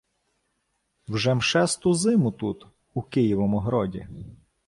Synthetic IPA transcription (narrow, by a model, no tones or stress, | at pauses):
wʒɛmʃɛst̪ʊzɪmʊt̪ut̪ | ukɪjiʋɔmʊɦɾɔdʲḭ